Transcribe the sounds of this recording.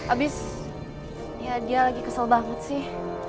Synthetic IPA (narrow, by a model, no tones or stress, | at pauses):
ʔabɪs | jadialaɡikəsalbaŋət̪̚sɪh